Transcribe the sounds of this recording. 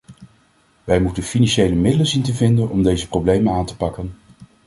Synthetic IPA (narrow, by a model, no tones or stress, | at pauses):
ʋɛjmutənfinɑnʃejləmɪdələnzintəvɪndənɔmdejzəprowblejmənaːntə̥pɑkən